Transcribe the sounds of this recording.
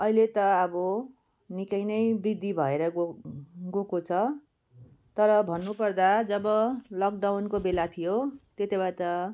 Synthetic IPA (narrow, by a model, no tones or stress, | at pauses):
ʌilet̪ʌːbʌ | nikʌjnʌjbid̪ibʱʌeɾʌ | ɡokot͡sʰʌ | t̪ʌɾʌbʱʌnːupʌrd̪ad͡zʌbʌlʌk̚ɖawnkobelat̪ʰijot̪et̪ebat̪ʌ